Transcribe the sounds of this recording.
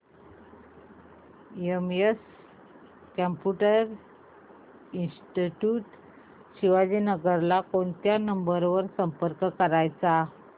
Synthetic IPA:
iemes | kəmpjuʈəɾ | insʈiʈjuʈ | ɕiʋad͡ʑiːnəɡəɾlakoɳt̪janəmbəɾʋəɾsəmpəɾkkəɾajt͡sa

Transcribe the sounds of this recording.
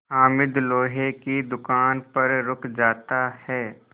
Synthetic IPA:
aːmɪd̪loːɦekid̪ʊkaːnpɐɾɾʊkʰd͡ʒaːt̪ahɛː

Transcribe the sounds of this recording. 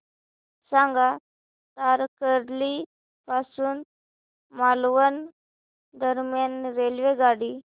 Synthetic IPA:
sãŋɡa | t̪aɾkəɾli | pasuːn | malʋən | d̪əɾmjanɾelʋeɡaɽi

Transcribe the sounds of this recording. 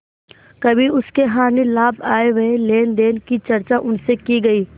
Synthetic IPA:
kɐbʱiʊskeɦaːnilaːbaːeʋɐeleːnd̪eːnkit͡ʃɐɾt͡ʃaʔʊnsekiɡɐiː

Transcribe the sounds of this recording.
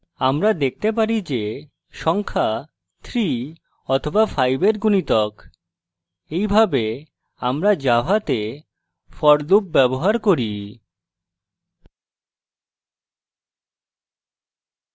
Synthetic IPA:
amɾad̪ek̚t̪ep̬aɾid͡ʑe | ʃɔŋkʰa | t̪ʰɾi | ɔt̪ʰobafajbeɾɡunit̪ɔk | ejbʱabe | amɾad͡ʑaɦat̪e | fɔɾlub̚bɛboɦaɾkoɾi

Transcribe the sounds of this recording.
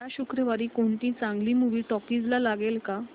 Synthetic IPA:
aɕukɾəʋaɾiːkoɳt̪ĩt͡sãŋɡliːmuʋiːʈɔkid͡zlalaɡelka

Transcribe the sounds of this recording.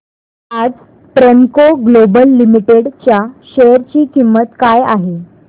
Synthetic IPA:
ad͡z | ʈɾəŋkoɡlobəlːimiʈeɽt͡ɕjaɕejəɾt͡ɕiːkimːət̪kajaɦe

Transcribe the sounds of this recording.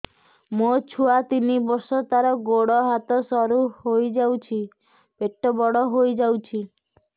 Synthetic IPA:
mot͡ʃʰuat̪inibɔɾsɔt̪aɾɔɡoɽɔɦat̪ɔsɔɾuɦojd͡ʒawt͡ʃʰi | beʈːɔbɔɽɔɦojd͡ʒawt͡ʃʰi

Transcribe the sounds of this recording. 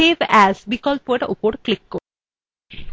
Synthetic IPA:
ebæzbikɔlpoeʈo̰poɾklikːo

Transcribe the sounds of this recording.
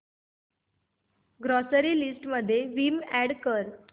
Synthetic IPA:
ɡɾɔsəɾiːlisʈməd̪ʱːjeʋimæɽkəɾ

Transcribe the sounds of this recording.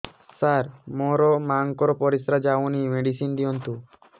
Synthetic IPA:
saɾmɔɾɔmaŋkɔɾɔpɔɾisɾad͡ʒawnimeɖisind̪iɔnt̪u

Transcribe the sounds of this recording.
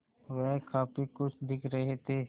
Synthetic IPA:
ʋɛɦkaːpikʊt͡ʃʰd̪ɪkʰɾɐɦet̪ʰeː

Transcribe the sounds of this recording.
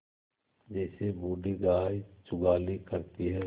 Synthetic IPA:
d͡ʒɛːsebuːɖiɡaːjt͡ʃʊɡaːlikəɾt̪iɦɛ

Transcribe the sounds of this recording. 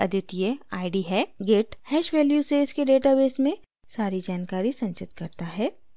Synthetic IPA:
ɐd̪ʱʊt̪jeaːɪɖiɦɛːɡeːʈhɛːʃʋɛːljuseːskeɖeːʈabeːsmẽ | saːɾid͡ʒaːnkaːɾisɐ̃nt͡ʃɪt̪kɐɾt̪aɦɛː

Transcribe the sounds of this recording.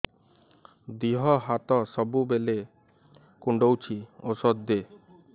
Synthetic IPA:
d̪iɦɔɦat̪ɔsɔbubele | kuɳɖowt͡ɕʰiosɔd̪ːe

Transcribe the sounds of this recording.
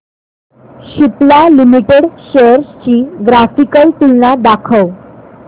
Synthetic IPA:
ɕiplalimiʈeɽɕeɾst͡ɕiːɡɾafikəlt̪ilnad̪akʰəw

